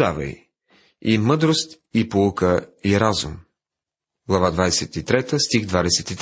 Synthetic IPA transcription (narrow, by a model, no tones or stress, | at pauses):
avɐ̰j | imɤd̪ɾost̪ | ipoukəiɾazṵm | ɡlˠɐvad̪vad̪ɛsɛt̪it̪ɾɛt̪əst̪iɣd̪vad̪ɛsɛt̪it̪